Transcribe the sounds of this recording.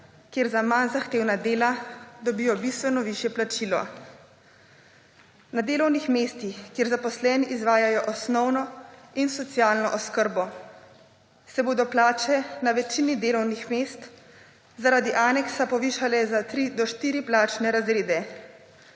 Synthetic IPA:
kjeːɾzamanzaxt̪eːwnad̪eːlad̪ɔbiːjɔbist̪ʋɛnɔʋiʃjɛplat͡ʃilɔ̰ | nad̪eːlɔwnixmeːst̪ixkjeːɾzapɔslɛːniʔizʋaːjajɔʔɔsnɔwnɔinsɔt̪sijaːlnɔʔɔskəɾbɔ | sɛboːd̪ɔplaːt͡ʃɛnaʋɛt͡ʃinid̪eːlɔwnixmeːst̪ | zaɾaːd̪iʔaːnɛksapɔʋiʃalɛzat̪ɾid̪ɔʃt̪iːɾiplaːt͡ʃnɛɾazɾeːd̪ɛ

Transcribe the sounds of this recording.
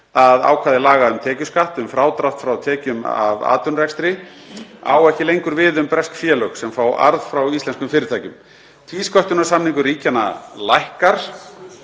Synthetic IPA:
aða̰ːwkʰvaːðɪlaːɣaʏmt̪ʰɛːcʏskaht̪ʏmfɾaːwt̪ɾaft̪fɾawt̪ʰɛːcʏma̰va̰ːt̪ʏnrɛkst̪ɾɪ | a̰ːwɛhcɪlejŋkʏɾvɪðʏmpɾɛskfjɛːlœxsɛmfaːwa̰ɾðfɾawist̪lɛnskʏmfɪːɾɪt̪ʰaːjcʏm | t̪ʰviːskɔht̪ʏnasamniŋkʏɾiːcana̰lajhkaɾ̥

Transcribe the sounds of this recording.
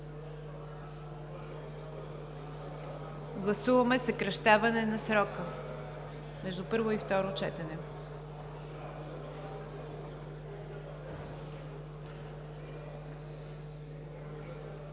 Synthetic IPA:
ɡlˠɐsuvɐmɛsəkɾɐʃt̪avɐnɛnɐsɾɔkə | mɛʒd̪upɤɾvoift̪ɔɾot͡ʃɛt̪ɛnɛ

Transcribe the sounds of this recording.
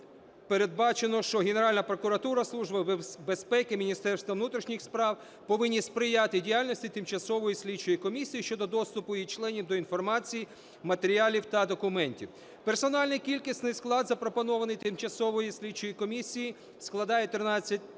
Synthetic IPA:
peɾed̪̚bɑt͡ʃenɔʃt͡ʃɔɦene̞ɾɑlʲnɐpɾɔkʊɾɐt̪uɾɐslˠuʒbɐbespɛkɪmʲinʲist̪ɛrst̪ʋɐʋnut̪ɾʲiʃnʲixspɾɑw | pɔʋɪnʲːispɾɪjɑt̪ɪdʲijalʲnɔsʲtʲit̪ɪmt͡ʃɐsɔʋɔjisʲlʲidt͡ʃɔjikɔmʲisʲijiʃt͡ʃɔd̪ɔd̪ɔst̪ʊpʊjit͡ʃlˠɛnʲiwd̪ɔinfɔrmɑt͡sʲiji | mɐt̪eɾʲiɑlʲiwt̪ɐd̪ɔkʊmɛnʲtʲiw | persɔnɑlʲnɪjkʲilʲkisʲt̪ʲnɪjsklˠɑd̪zɐpɾɔpɔnɔʋɐnɪjt̪ɪmt͡ʃɐsɔʋɔjisʲlʲid̪̚t͡ʃɔjikɔmʲisʲiji | sklˠɐd̪ɑjet̪ɾɪnɑt͡sʲːɐtʲ

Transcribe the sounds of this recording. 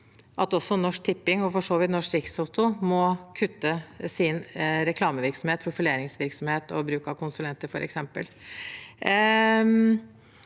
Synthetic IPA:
ʔɑt̪ɔsːɔnɔʂk̚t̪ʰɪpːɪŋɔfɔʂoːʋɪt̪nɔʂkɾɪksaʊt̪ʊmɔkʰʉt̪ːəsɪnɾɛkʰlɑːməʋɪɾksɔmheːt̪̚pʰɾʊfɪleːɾɪŋsʋɪɾksɔmheːt̪ɔ̰bɾʉːkɑkʰʊnsʉlɛnt̪əɾfɔɾʔɛ̰ksɛmpə̰l

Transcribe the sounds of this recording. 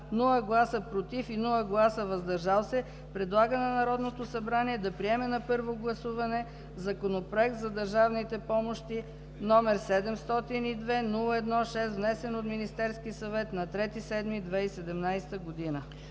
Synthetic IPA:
nulˠəɡlˠasəpɾot̪ifinulˠəɡlˠasəvɐzd̪ɐɾʒalˠsɛ | pɾɛd̪lˠaɡənɐnɐɾɔd̪not̪osɐbɾaniɛd̪ɐpɾiɛmɛnɐpɤɾvoɡlˠɐsuvɐnɛ | zɐkonopɾoɛk̚t̪zɐd̪ɐɾʒavnit̪ɛpɔmoʃt̪i | nɔmɛɾsɛd̪ɛmst̪ɔt̪inid̪vɛnulˠəɛd̪nɔʃɛst̪vnɛsɛnot̪minist̪ɛɾskisɐvɛt̪nɐt̪ɾɛt̪isɛd̪mid̪vɛisɛd̪ɛmnajst̪əɡod̪inə

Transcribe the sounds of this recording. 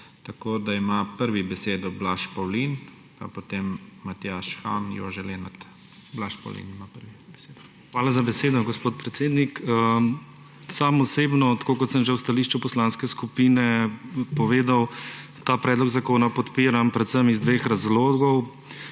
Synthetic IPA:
t̪ɐkoːd̪aimapəɾʋibɛseːd̪ɔblaʃpɔwlin | pa̰pot̪emːat̪jaʃxa̰njɔ̰ʒɛlenat̪ | blaʃpɔ̰wlḭnimapəɾʋibɛsed̪ɔ | xʋaːlazabɛseːd̪ɔɡospoːt̪̚pɾɛt̪seːd̪nikə | samɔseːbnɔt̪ḁkoːkɔt̪səmʒɛwst̪aliːʃt͡ʃupɔslaːnskɛskupiːnɛpɔʋeːd̪aw | t̪aːpɾɛːd̪lɔɡzakoːnapɔt̪piːɾampɾɛt̪səmizd̪ʋeːxɾazloːɡɔw

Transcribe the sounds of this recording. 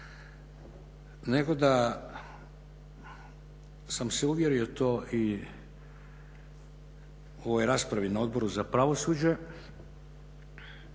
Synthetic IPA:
ne̞ɡo̞d̪a | samseuʋje̞ɾio̞t̪oːʔi | o̞ʋo̞jɾaːspɾaʋinao̞d̪̚bo̞ɾuzapɾaʋo̞suːd͡ʑe̞

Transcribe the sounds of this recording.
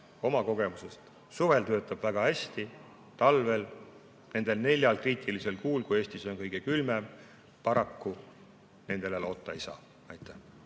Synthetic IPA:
o̞mɑko̞ɡ̥e̞muse̞st̪ | suve̞lt̪ø̞ːt̪ːˑɑb̥væɡ̥ɑhæsʲt̪i | t̪ɑlve̞l | ne̞nd̪̥e̞lne̞lʲjɑlkriːt̪ʰːilise̞lkuːlkuje̞ːsʲt̪iso̞nkɤjɡ̥e̞kylmem | pɑɾɑkːu | ne̞nd̪̥e̞lelo̞t̪ːˑɑejsɑ̰ː | ɑjt̪ːˑæh

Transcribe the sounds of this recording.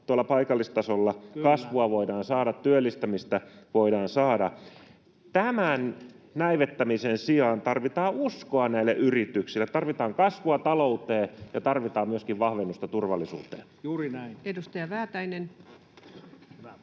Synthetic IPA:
t̪uɑlːɑpɑikɑlːist̪ɑsolːɑkɑsʋuɑʋoidɑːnsɑːɾɑt̪tːyølːist̪æmist̪æʋoidɑːnsɑːdɑ̰ | t̪æmæn | næiʋet̪ːæmisensiɑːnt̪ɑrʋit̪ɑːuskoɑnæilːæʔyrit̪yksilːet̪ɑrʋit̪ɑːŋkɑsʋuɑt̪ɑlout̪eːjɑt̪ɑrʋit̪ɑːmmyøskiʋʋɑhʋenːust̪ɑt̪urʋɑlːˑisṵːt̪ḛː | juːrinæiedust̪ɑjɑʋæːt̪æinen

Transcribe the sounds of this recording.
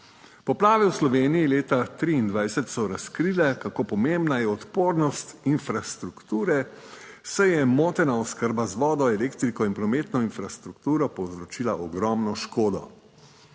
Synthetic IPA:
pɔplaːʋɛwslɔʋeːnijileːt̪at̪ɾiːnd̪ʋajsɛt̪sɔɾaskɾiːlɛkakoːpɔmembnajɛɔt̪poːɾnɔst̪infɾast̪ɾukt̪uːɾɛ | sɛjɛmoːt̪ɛnaɔskəɾbazʋɔːd̪ɔɛleːkt̪ɾikɔinpɾɔmeːt̪nɔinfɾast̪ɾukt̪uːɾɔpɔwzɾɔt͡ʃiːlaʔɔɡɾɔːmnɔʃkoːd̪ɔ̰

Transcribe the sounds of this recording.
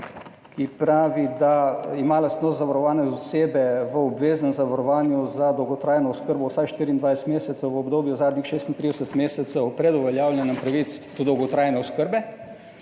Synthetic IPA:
kipɾaːʋid̪aimaːlast̪nɔːszaʋaɾɔʋaːnɛzɔseːbɛʋəɔbʋeːzənzaʋaɾɔʋaːnjuzad̪ɔwɡɔt̪ɾaːjnɔʊskəɾbɔwsakʃt̪iːɾiːnd̪ʋajst̪meːsɛt̪səwʋəobd̪oːbjuzaːd̪nixʃeːst̪int̪ɾiːd̪ɛsət̪meːsɛt̪sɛpɾɛd̪ʊʋɛljaːwlʲjɛnɛmpɾaʋit̪sd̪ɔd̪ɔwɡɔt̪ɾaːjnɛɔskəɾbɛ

